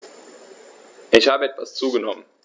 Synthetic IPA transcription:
ʔɪçhaːbəɛtv̥ast͡suːɡənɔmən

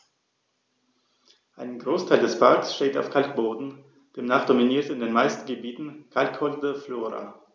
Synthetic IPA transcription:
ʔaɪnɡʁoːstʰaɪldɛspʰaɐksʃteːta̰ʊfkʰalk̚b̥oːdn̩ | d̥eːmnaːχd̥ominiːɐtɪndeːnmaɪstn̩ɡəbiːtn̩kʰalkhɔldəfloːʁa̰

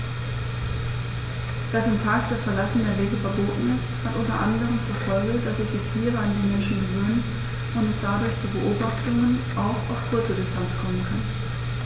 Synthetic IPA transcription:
d̥asɪmtʰaːk̚d̥asfɛɐlasn̩deɐveːɡəfɛɐboːtn̩ɪsthatʔʊntɐ̰ʔandəʁənt͡suɐfɔlɡəd̥asɛsd̥ɛt͡sliːbəandeːnmɛnʃn̩ɡəvøːnt | ʔʊntɛsd̥adʊɐçt͡suːbəʔoːbaχtʊŋənʔaʊxaʊfkʰʊɐt͡sədɪstʰant͡skʰɔmənkʰan

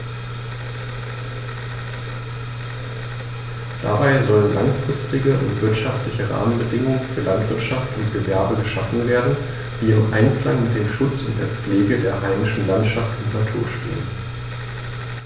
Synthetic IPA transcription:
d̥a̰baɪzɔlənlaŋfʁ̥ɪstɪɡəʔʊntv̥ɪɐtʃaftlɪçəʁa̰ːmənbədɪŋʊŋənfyːɐlantv̥ɪɐtʃaftʊntɡ̥əvɛɐbəɡəʃafn̩veːɐdn̩ | d̥iːɪmʔa̰ɪnkl̥aŋmɪt̚d̥eːmʃʊt͡sʊnt̚d̥eːɐp͡fleːɡədeːɐʁaɪnɪʃn̩lantʃaftʊntnatʰuːɐʃtḛːən

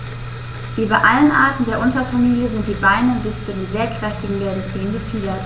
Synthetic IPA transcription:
viːbaʔalənʔaːɐtn̩deːɐʔʊntɐfamiːljəzɪnt̚d̥iːbaɪnənbɪst͡sudiːzeːɐkʁ̥ɛftɪɡŋ̩beːɐdət͡siːənɡəfiːlɐ

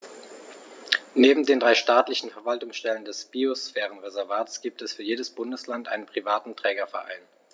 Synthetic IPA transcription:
neːbm̩deːndʁaɪʃtaːtlɪçn̩fɛɐvaltʊŋsʃtɛləndɛsb̥iosfɛːʁ̞ənʁezɛɐvaːtsɡ̥iːp̚tɛsfyːɐjeːdəsb̥ʊndəslantʔa̰ɪnənpʁ̥ivaːtn̩tʁ̥ɛːɡɐfɛɐʔa̰ɪn

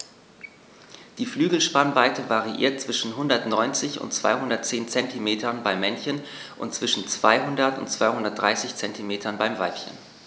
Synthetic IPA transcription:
d̥iːflyːɡl̩ʃpanvaɪtəvaʁiʔḭːɐt̚t͡sv̥ɪʃn̩ɦʊndɐtnɔʏnt͡sɪçʊ̰ntt͡sv̥a̰ɪɦʊndɐt̚t͡seːnt͡sɛntimeːtɐnbaɪmːɛnçən | ʔʊ̰ntt͡sv̥ɪʃn̩t͡sv̥aɪɦʊndɐtʊ̰ntt͡sv̥aɪhʊndɐt̚d̥ʁa̰ɪsɪçt͡sɛntimeːtʰɐnbaɪmvaɪpçə̰n

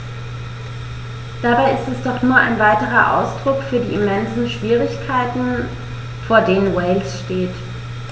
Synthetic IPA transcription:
d̥abaɪɪstɛsd̥ɔχnuːɐʔa̰ɪnvaɪtəʁ̞ɐʔa̰ʊsd̥ʁʊkfyːɐdiːɪmɛnzn̩ʃv̥iːʁ̞ɪçkʰaɪtn̩ | foːɐdeːnənwɛɪlsʃteːt

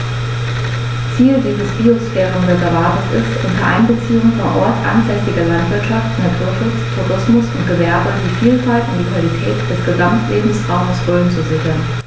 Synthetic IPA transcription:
t͡siːldiːzəsb̥iostɛːʁʊmdɛsɛɐvaɐtəsɪ̰stʔʊ̰ntɐʔa̰ɪnbət͡siːʊŋənfoːɐʔɔɐtʔa̰nz̥ɛsɪɡɐlantv̥ɪɐtʃaftnatʰuɐfɪstʰʊʁɪsmʊsʊnt̚ɡ̥əvɛɐbəd̥iːfiːlfaltʊntd̥iːkv̥alitʰɛːtd̥ɛsɡ̥əzamtʰlʔeːbm̩sʁaʊməsʁ̥øːənt͡suzɪçlən

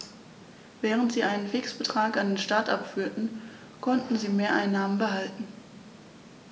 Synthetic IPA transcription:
vɛːʁ̞əntz̥iːʔaɪnənfɪksb̥ətʁ̥aːkandeːnʃtaɐtʔapfyːɐtn̩ | kʰɔntn̩ziːmeːɐʔaɪnːaːmənbəɦaltn̩

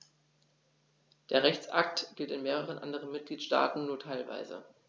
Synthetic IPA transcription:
d̥eːɐʁɛçt͡sʔa̰k̚tɡ̥ɪltɪnmeːʁ̞əʁ̞ənʔa̰ndəʁ̞ənmɪt̚ɡ̥liːtʃta̰ːtn̩nuːɐtʰaɪlva̰ɪzə̰

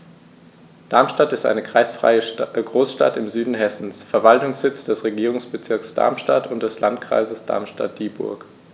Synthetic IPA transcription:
d̥aɐmʃtatɪstʔa̰ɪnəkʁ̥a̰ɪsfʁ̥a̰ɪəɡʁoːsʃta̰tɪmzyːdn̩ɦɛsn̩sfɛɐvaltʊŋsz̥ɪt͡sd̥ɛsʁeɡiːʁ̞ʊŋsb̥ət͡sɪɐksd̥a̰ɐmʃtatʰʊnt̚d̥ɛslantkʁ̥a̰ɪzəsd̥a̰ɐmʃta̰t̚d̥iːbʊ̰ɐk

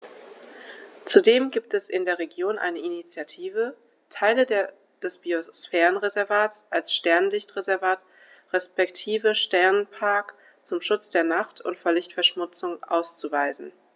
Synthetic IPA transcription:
t͡sudeːmɡiːp̚tɛsɪ̰ndeːɐʁeɡjoːnʔa̰ɪnəʔinit͡sjatʰiːvə | tʰaɪlədeːɐ | d̥ɛsb̥iosfɛːʁənʁezɛɐvaːtsʔalsʃtɛɐnlɪçtʁezɛɐvaːt | ʁɛspɛktʰiːvəʃtɛɐnpʰaɐk | t͡sʊmʃʊt͡sd̥eːɐnaχtʰʊ̰ntfoːɐlɪçtfɛɐʃmʊt͡sʊŋʔa̰ʊst͡suvaɪzn̩

